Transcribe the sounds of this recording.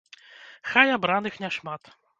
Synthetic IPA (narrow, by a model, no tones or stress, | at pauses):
xajabɾanɘxɲʲɛʂmat̪